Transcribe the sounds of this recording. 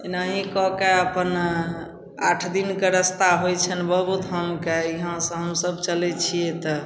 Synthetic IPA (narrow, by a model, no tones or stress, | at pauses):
inaɦĩkɔkeəpən | aʈʰd̪inkeɾəst̪aɦojt͡ʃʰənbəbut̪ɦəmkeiɦãsə̃ɦəmsəbt͡ʃəlɛt͡ʃʰijet̪ɔ